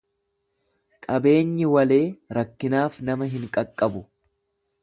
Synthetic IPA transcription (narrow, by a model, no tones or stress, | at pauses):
kʼɐbe̞ːɲːɪwɐle̞ːɾɐkːɪnaːfnɐmɐɦɪŋkʼɐkʼːɐbʊ